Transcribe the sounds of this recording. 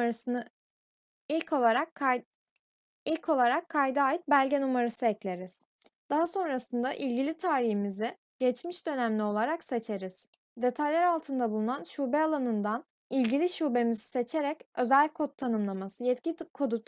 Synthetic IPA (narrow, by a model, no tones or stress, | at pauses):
ɾsnɯ | ilʲcʰo̞lˠaɾak | ilʲcʰo̞lˠaɾakʰːajd̪ɯaːjit̪̚bælʲɟɛnumaɾɯsɯeclʲe̞ɾiz̥ | d̪̥aɦaso̞nɾasɯnd̪aʔilʲɟilʲit̪ʰaːɾihimizɪ | ɟ̥ɛt͡ʃmiʃd̪ø̞næmlʲio̞lˠaɾakse̞t͡ʃʰe̞ɾiz̥ | d̪e̞t̪ʰajlʲæɾalˠt̪ʰɯnd̪abulˠunanʃuːbɛalˠanɯnd̪an | ilʲɟilʲiʃuːbe̞mizi̥se̞t͡ʃʰe̞ɾɛcø̞zælʲkʰo̞t̪ʰːanɯmlˠamasɯjɛt̪cikʰo̞d̪ut̪